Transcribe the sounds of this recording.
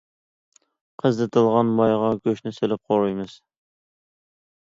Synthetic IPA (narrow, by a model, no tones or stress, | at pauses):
qʰəzd̪ɨt̪ʰɨlˠʁɑnmɑjʁɑɡʲøʃnɪselɪp̚qʰoɾujmɨz̥